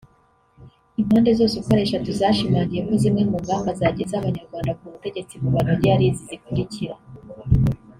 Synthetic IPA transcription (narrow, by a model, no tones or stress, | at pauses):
im̥haːnde̞zo̞ːsuko̞ɾe̞ːʃatuzaːʃimaːɲɡije̞ko̞zimŋe̞muŋɡaːmbazaːɟezaβaɲaɾɡwaːndakuβute̞ɟe̞t͡siɡuβanoɾiaɾizizikuɾiciɾa